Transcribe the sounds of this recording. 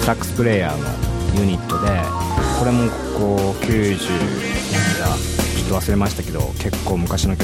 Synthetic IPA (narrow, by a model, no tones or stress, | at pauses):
ɾakːɯ̟̥sɨ̥pɯ̟ɾe̞ːja̰ːno̞̰jɯ̟ɲ̟it̪ːo̞d̪e̞ko̞ɾe̞mo̞ | koːkʲɨːʑɨ̰ː | iiɡa | t͡ɕo̥t̪ːoβ̞asɨɾe̞maɕi̥t̪ake̞d̪o̞̰ke̞kːo̞ːmɯ̟kaɕino̞kʲ